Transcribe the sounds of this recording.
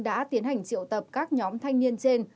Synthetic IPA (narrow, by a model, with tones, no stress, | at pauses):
ɗa̰ː˧˥t̪i˨˦ənha˨˩jŋ̟t͡ɕḭ˧˨əwt̪ə˨˩p̚kaː˦˥k̚ɲɔ˨˦mt̪ʰa˧jŋ̟ni˧ənt͡ɕe˧n